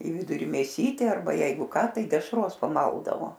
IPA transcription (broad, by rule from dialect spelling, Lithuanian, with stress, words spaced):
iː ˈʋʲɪdʊrʲɪ mʲeːˈsʲiːtʲeː ɐrˈbɐ ˈjɛɪɡʊ ˈkɐ ˈtɐɪ dʲɛʃˈroːs pɐˈmɐlˠdɐʋoː